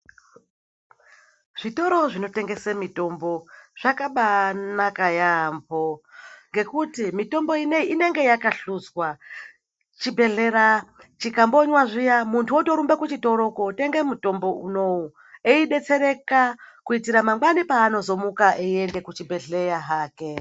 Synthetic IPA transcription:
ʐ̥ito̞ɾo̞ʐino̞te̞ŋɡe̞semito̞mbo̞ʐ̥akaɓanakajambo̞ŋɡe̞kutimito̞mbo̞ineine̞ŋɡe̞jakaɬud͡zwa | t͡ʃibʱe̞ɮe̞ɾat͡ʃikamboɲwaʐijamuntʰuoto̞ɾumbekut͡ʃito̞ɾo̞kote̞ŋɡemuto̞mbo̞uno̞u | eiɗe̞t͡se̞ɾe̞kakuitiɾamaŋɡwanipaːno̞zo̞mukaʔeie̞nde̞kut͡ʃibʱe̞ɮe̞jaɦaːke̞

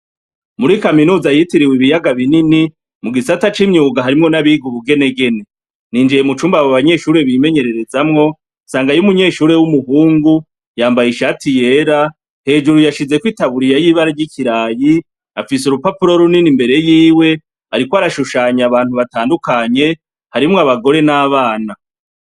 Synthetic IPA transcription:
muɾikaminuːzajitiɾiwiβijaɡaβinini | muɡisatat͡ʃimɲuːɡaɦaɾimŋo̞naβiɡuβuɡe̞ne̞ɡe̞ne̞ | niːnd͡ʒijemut͡ʃuːmbaβoaβaɲe̞ːʃuːɾe̞βime̞ɲe̞ɾe̞ɾe̞zamŋo̞ | nsaːŋɡajumuɲe̞ːʃuːɾe̞wumuhuːŋɡu | jaːmbajiʃatije̞ɾa | he̞ːd͡ʒuɾujaʃize̞kwiːtaβuɾijajiːβaɾaɾɟicʰiɾaji | afisuɾupapuɾo̞ɾuninimbe̞ɾe̞jiːwe̞ | aɾikwoaɾaʃuʃaːɲaβaːnhuβataːndukaɲe̞ | haɾimŋoaβaɡo̞ɾe̞naːβaːna

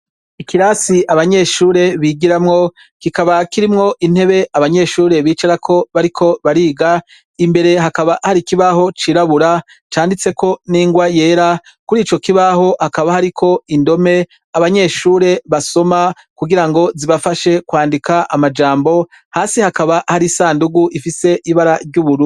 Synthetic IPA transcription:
ikiɾaːsiʔaβaɲe̞ʃuːɾe̞βiɡiɾamŋo̞ | kikaβakiɾimŋo̞ʔin̥he̞βe̞aβaɲe̞ːʃuːɾe̞βiːt͡ʃaɾakʰo̞βaɾikʰo̞βaɾiːɡa | imbe̞ɾe̞ɦakaβahaɾikiβaɦo̞t͡ʃiːɾaβuɾa | t͡ʃaːndit͡se̞ko̞niːŋɡwaje̞ːɾa | kuɾiːt͡ʃo̞kiβaho̞hakaβahaɾikʰo̞indo̞me̞ | aβaɲe̞ːʃuːɾe̞βaso̞ma | kuɡiɾaŋɡo̞ziβafaʃe̞kwaːndikaʔamad͡ʒaːmbo̞ | haːsihakaβahaɾisaːnduɡuʔifise̞ʔiβaɾaɾɟuβuɾu

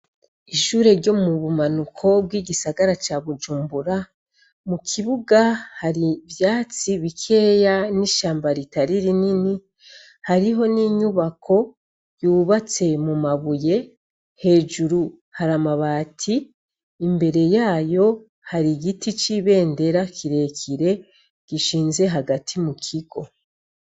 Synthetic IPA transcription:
iʃuːɾe̞ɾɟo̞muβumanukʰo̞bɡwiːɟisaɡaɾat͡ʃaβud͡ʒuːmbuɾa | mukʰiβuɡahaɾiβjaːt͡siβikʰe̞ːjaniʃaːmbaɾitaɾiɾinini | haɾiɦo̞niɲuβakʰo̞ | juːβat͡se̞mumaβuje̞ | he̞ːʒuɾu | haɾamaβaːtʰiː | mbe̞ɾe̞jaːjo̞ | haɾiɡitit͡ʃiβe̞ːnde̞ɾakʰiɾe̞kʰiɾe̞ | ɡ̥iʃiːnze̞ɦaɡatʰimukʰiɡo̞

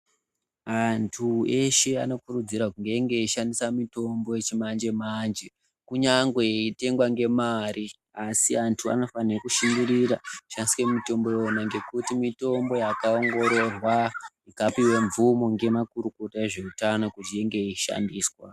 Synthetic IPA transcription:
antʰue̞ʃe̞a̰no̞kuɾud͡ziɾakuŋɡe̞ŋɡe̞iʃandisamito̞mbo̞et͡ʃimand͡ʒe̞mand͡ʒe̞ | kuɲaŋɡwe̞ite̞ŋɡwaŋɡe̞maɾi | asiantʰua̰no̞faniokuʃindiɾiɾaʃaniskemito̞mbo̞jonaŋɡe̞kutimito̞mbo̞jakaoŋɡo̞ɾo̞rwa | ikapiwe̞ɱvumoŋɡe̞makuɾuko̞taeʐe̞utano̞kut͡ʃieŋɡe̞iʃa̰ndiːswa

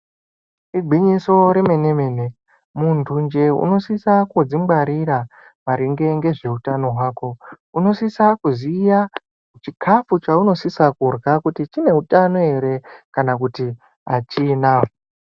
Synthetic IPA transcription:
iɡʱiɲiso̞ɾe̞me̞ne̞me̞ne | muntʰund͡ʒe̞ṵno̞sisakud͡zimɡwaɾiɾa | maɾiŋɡe̞ŋɡe̞ʐe̞utano̞ɦwaːko̞ | uno̞sisakuzija | ut͡ʃikʰafut͡ʃauno̞sisakurɣakutit͡ʃine̞utano̞e̞ɾe̞kanak̬uti | at͡ʃiːna

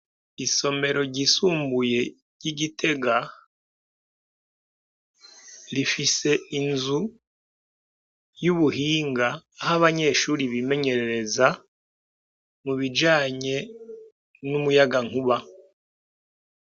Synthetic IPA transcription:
iso̞me̞ɾo̞ɟisuːmbuje̞ | ɟiɟitʰe̞ɡa | ɾifise̞inzu | juβuhiːŋɡaːhaβaɲe̞ʃuːɾiβime̞ɲe̞ɾeɾe̞za | muβid͡ʒaːɲe̞ | numujaɡaŋ̥uβa

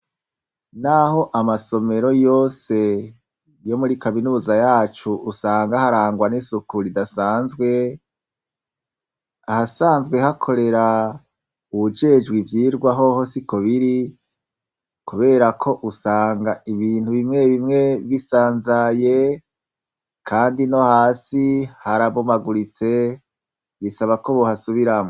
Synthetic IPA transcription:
naho̞ʔamaso̞me̞ɾo̞jo̞se̞ | jo̞muɾikaminuːzajaːt͡ʃuʔusaːŋɡahaɾaːŋɡwanisukuɾidasaːnzɡwe̞ | ahasaːnzɡwe̞hakʰo̞ɾe̞ɾa | uβud͡ʒe̞d͡ʒɡwivjiːɾɡwaɦohosikoβiɾi | kuβe̞ːɾakʰo̞ʔusaːŋɡaiβiːn̥huβimŋe̞βimŋe̞βisaːnzaje | kʰaːndino̞haːsihaɾaβomaɡuɾit͡se̞ | βisaβakoβohasuβiɾamo

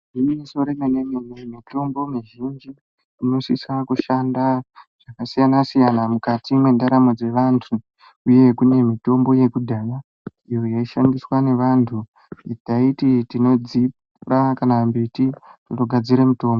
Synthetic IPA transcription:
imimiso̞ɾemenemimemito̞mbo̞miʒind͡ʒi | ino̞sisakuʃandaʐʐ̥akasijanasijanamukatimwendaɾamod͡ze̞ʋantʰu | uje̞kune̞mito̞mbo̞je̞kudʱaːja | ijo̞jaiʃandiswane̞ʋantʰu | itaititino̞d͡zip | urakanambititutoɡʱad͡ziɾemuto̞ːmbo

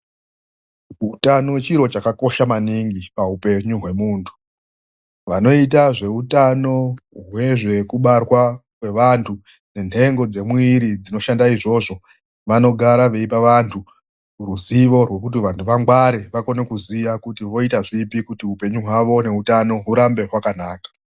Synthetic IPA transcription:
ɦutanot͡ʃiɾo̞t͡ʃakako̞ʃamaniŋɡipaupe̞ɲuɦwe̞muːntʰu̥ | ʋano̞itaʐe̞utano̞ɦwe̞ʐe̞kuɓarwakwe̞ʋantʰu | ne̞nʰe̞ŋɡod͡ze̞mwiɾid͡zino̞ʃandaiʐo̞ʐo̞ | ʋano̞ɡʱaɾaʋe̞ip̬aʋantʰu | ruziʋo̞rwe̞kut̬iʋantʰuʋaŋɡwaɾeʋako̞ne̞kuziʋakutiʋo̞itaʐipikutiupe̞ɲuɦwaʋo̞ne̞utano̞ɦuɾambe̞ɦwakanaːkḁ

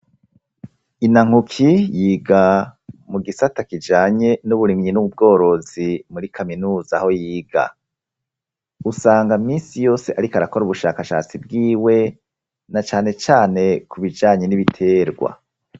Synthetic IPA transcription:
inaŋ̥ukʰijiːɡamuɡisatakid͡ʒaːɲe̞nuβuɾimɲinuub̚ɡo̞ːɾo̞zimuɾikʰaminuːzaho̞jiːɡa̰ | usaːŋɡamiːnsijo̞ːse̞ʔaɾikaɾako̞ɾuβuʃaːkaʃa̰ːt͡sib̚ɡiːwe̞ | nat͡ʃaːne̞t͡ʃaːne̞kʰuβid͡ʒaːɲe̞niβitʰe̞ːɾɡwa̰

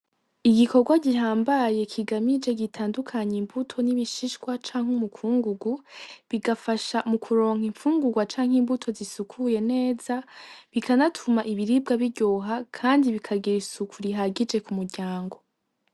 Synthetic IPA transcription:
iɡiko̞ɡwaɟiɦaːmbaje̞kʰiɡamid͡ʒe̞ɡitʰaːndukʰaɲeimbutʰo̞niβiʃiʃkwat͡ʃaːŋ̥umukʰuːŋɡuɡuβiɡafaʃamukʰuɾo̞ːŋ̥iɱfuːŋɡuɡwat͡ʃaːŋ̥himbutʰo̞zisukʰuje̞ne̞ːzaβikʰanatʰumaʔiβiɾib̚ɡaβiɾɟoːɦakʰaːndiβikʰaɡiɾisukʰuɾiɦaɡid͡ʒe̞kumuɾɟaːŋɡo̞

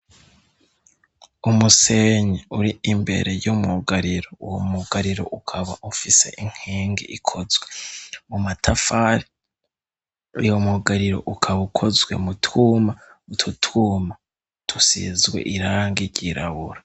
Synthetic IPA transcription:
umuse̞ɲeuɾiimbe̞̰ɾe̞jumuɡaɾiɾouwomuɡaɾiɾo̰ʔukʰaβaʔufise̞̰ʔiŋ̥hiːŋɡḭʔikʰo̞zwemumatʰafaɾi | jomuɡaɾiɾo̞̰ʔukʰaβukʰo̞zɡwe̞̰mutʰuma | mutʰutʰuːma | tʰusḭzɡwe̞̰ʔiɾaŋɡiɾɟiɾaβuɾa

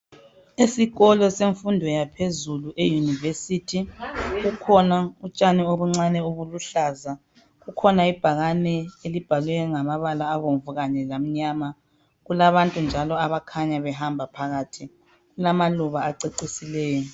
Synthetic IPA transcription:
esiɣɔlɔseɱfundʱɔjapʰezuluʔejunivesitʰiɣukʰɔnaut͡ʃʼanioβuŋ͡ǀanɛoβuluɬaːza | ɣukʰɔnaib̥ʱaɣanɛelib̥ʱalwɛɔŋamaβalaːβoɱvuɣaɲɛlam̩ɲaːma | ɣulaβantʼund͡ʒʱalɔaβakʰaɲaβɛɦambʱapʰaɣaːtʰi | ɣulamaluβaːǀeǀisilɛːjɔ

